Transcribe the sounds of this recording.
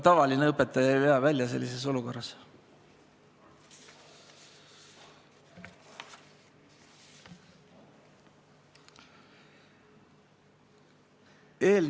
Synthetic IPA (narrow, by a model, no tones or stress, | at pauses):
t̪ɑvɑlineɤpːˑet̪ːˑɑjɑjpeɑvælʲjɑs̬e̞̰lːise̞s̬o̞luko̞rːɑs | eːl